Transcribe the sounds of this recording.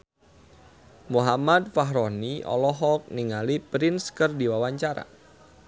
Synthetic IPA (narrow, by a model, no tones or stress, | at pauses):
muɦamad̪̚faɦɾɔniɔ̰lɔɦɔk̚niŋalipɾɪnskərdiwawaɲt͡ʃaɾa̰